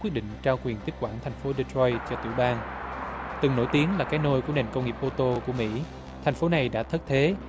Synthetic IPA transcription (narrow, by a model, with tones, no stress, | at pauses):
i˦˥ɗḭ˧˨ŋ̟t͡ɕaː˧wkwi˨˩ənt̪i˦˥k̚kwaː˧˩nt̪ʰɛ˨˩jŋ̟fo˨˦ɗi˧t̪ʰɹɔ˧jt͡ɕɔ˧t̪i˧˩wɓaː˧n | t̪ɨ˨˩ŋno̰˧˥˦jt̪i˨˦ənlaː˨˩kaː˨˦jno˧jku˧˩əne˨˩nkə˧wŋ͡mŋi˨˩əp̚ʔo˧t̪o˧ku˧˩əmḭ˧˥ | t̪ʰɛ˨˩jŋ̟fo˨˦na˨˩jɗa̰ː˧˥t̪ʰə˦˥t̪ʰe˨˦